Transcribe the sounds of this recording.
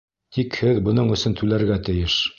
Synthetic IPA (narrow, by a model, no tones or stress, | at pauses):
t̪ikhɘðbɤ̆nɤɴɵ̆sɵnt̪ʉlæɾɡæt̪ɘ̆jɘʃ